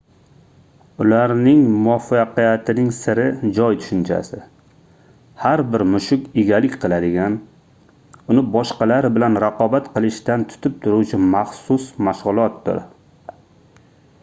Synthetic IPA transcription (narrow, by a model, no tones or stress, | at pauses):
ʊlaɾnɪŋmʊɒfaqijat̪ʰɪnɪŋsɪɾɪd͡ʒɒjt̪ʰʊ̥ʃɪnt͡ʃʰa̰sɪ | haɾbɪɾmʊʃʊkʲɪɡʲalɪkʲqʰɨlˠad̪ɪɡʲan | ʊnɪbɒʃqɑlaɾɪbɪlanɾaqʰɒbat̪qɨlˠɪʃt̪ant̪ʰʊ̥t̪ʰɪp̚t̪ʰʊɾuwt͡ʃʰɪmaχsʊsmaʃʁʊlˠɒt̪̚d̪ɪ̰ɾ